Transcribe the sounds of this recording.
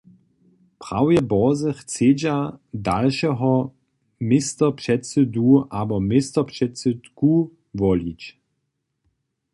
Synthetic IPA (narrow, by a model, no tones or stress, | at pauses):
pʁ̥a̰wjɛbɔzəχt͡seːd͡ʑada̰lʃɛɦɔ | mɪstɐpʃɛt͡səduʔabɔmɪstɐpʃɛt͡sədɡ̥u | vɔlit͡ɕ